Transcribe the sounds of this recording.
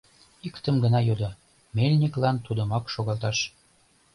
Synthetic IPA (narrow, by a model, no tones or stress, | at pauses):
ikt̪əmɡənɑjod̪o | melʲnʲiklɑnt̪ud̪ə̆mɑkʃoɣɑlt̪ɑʃ